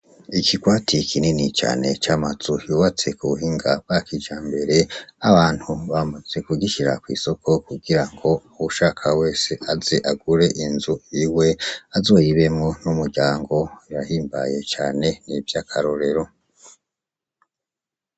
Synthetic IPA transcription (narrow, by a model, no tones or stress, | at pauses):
ikikwaːtʰikʰininit͡ʃa̰ːne̞̰t͡ʃamaz̥ujuːβat͡se̞kuuɦiŋɡabakid͡ʒaːmbe̞ɾe̞aβaːn̥huβamuz̥e̞kuɡiʃiɾa̰kwḭːso̞kʰo̞kuɡiɾaŋɡo̞uuʃaːkʰawe̞ːse̞azeʔaɡuɾe̞ʔinzuiwe̞azo̞ːjiβe̞mŋo̞numuɾɟaːŋɡo̞iɾahiːmba̰je̞t͡ʃa̰ːne̞nivjakʰaɾoɾe̞ɾo̞